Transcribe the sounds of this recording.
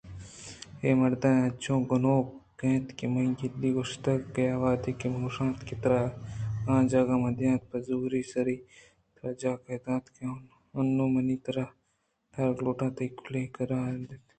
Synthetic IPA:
eːmɐɾd̪anɐt͡ʃõːɡʊnoːkẽːt̪kimɐ̃iɡilːiːɡoʃt̪ɐkɡɐjaʋaːd̪ekemoːʃãːt̪kit̪ɐɾaãːd͡ʒaɡaːmɐd̪jãːt̪̚pɐzuːɾiːsɐɾiː | t̪ɐɾɐd͡ʒaːkɐːd̪ãːt̪ken | ɐnːõːmɐniːt̪ɐɾɐ | tɐɾɡloːʈãːt̪ɐikʰulẽːkɐɾaːɾd̪et̪

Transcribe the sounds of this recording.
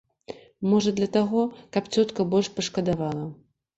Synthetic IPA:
mɔʐɐd̪lʲɐt̪aɣɔkɐpt͡sʲɔt̪kɐbɔlʲʂpɐʂkɐd̪avalˠɐ

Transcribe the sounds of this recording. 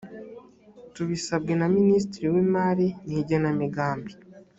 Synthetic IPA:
tuβisab̚ɡenaminiːs̬tiɾiwiːmaːɾiniɟanamiɡaːmbi̥

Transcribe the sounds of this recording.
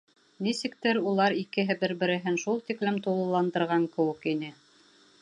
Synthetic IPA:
nisɘ̆k̚t̪ɘɾulˠɑɾikɘ̆ɦɘbɘɾbɘ̆ɾɘ̆ɦɘnʃulˠt̪iklɘmt̪ulˠɤ̆lˠɑnd̪ɤ̆ɾʁɑŋkɘ̆wɘ̆kinɘ

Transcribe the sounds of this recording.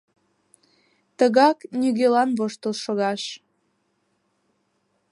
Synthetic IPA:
t̪əɣɑknʲyɣelɑnβoʃt̪əlʃoɣɑʃ

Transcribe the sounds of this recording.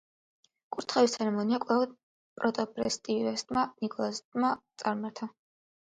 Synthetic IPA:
kʼuɾt̪ʰχawist̪ʰɛɾɛmɔniakʼlavɔd̪̚ | pʼɾɔt̪ʼɔbɾɛ̰st̪ʼiɾɛst̪ʼmanikʼɔlˠast̪ʼmat̪sʼaɾmaɾt̪ʰa

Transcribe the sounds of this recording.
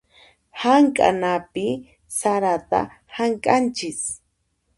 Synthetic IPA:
haŋkʼa̰napɪ | saɾat̪a̰ | haŋkʼant͡ʃɪs

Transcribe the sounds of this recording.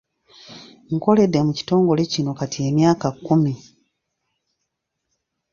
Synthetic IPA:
ŋko̞le̞dːemuci̥to̞ːŋɡo̞le̞cino̞katie̞mjaːkakːumi

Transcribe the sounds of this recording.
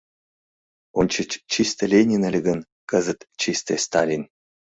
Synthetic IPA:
onʲt͡ɕət͡ɕt͡ɕist̪ə̆lʲenʲinə̆lʲɡən | kəzə̆t̪t͡ɕist̪ḛst̪alʲin

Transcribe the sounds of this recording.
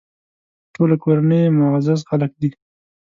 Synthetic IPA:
ʈolakoɾanəjmʊazaz̬xalak̚d̪i

